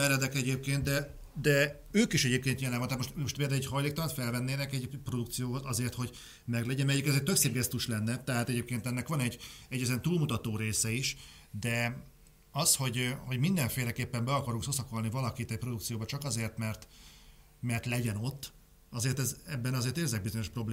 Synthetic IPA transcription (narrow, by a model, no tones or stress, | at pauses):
ɛɾɛd̪ɛkɛɟeːp̚keːnt̪̚d̪ɛ | d̪ɛ | øːkiʃɛɟeːpkeːnjɛlɛvɒnat̪moʃt̪oʃt̪peːld̪ɛwɛɟchɒjleːk̚t̪ɒlɒt̪fɛlvɛnːeːnɛkɛɟpro̞d̪ukt̪sijoːɦozɒzeːrt̪ho̞ɟ | mɛɡlɛɟɛnmɛjikɛzeːrt̪økseːb̚ɡɛst̪uʃlɛnːɛt̪ɛɦaːt̪ɛɟeːp̚keːnt̪ɛnːɛkʋɒnɛɟːɛɟːɛziɛnt̪uːlmut̪ɒt̪oːɾeːsɛiʃ | d̪ɛ | ɒsho̞ɟho̞ɟmind̪ɛɱfeːlɛkeːpːɛmbɛɒkɒɾuŋksosɒko̞lnivɒlɒkit̪ɛcpro̞d̪uk̚tsijoːbɒt͡ʃɒkɒzeːrt̪mɛrt̪ | mɛrt̪lɛɟɛno̞t̪ː | ɒzeːrt̪ɛzɛbːɛnɒzeːrt̪eːrzɛɡ̚bizo̞ɲo̞ʃpro̞bleː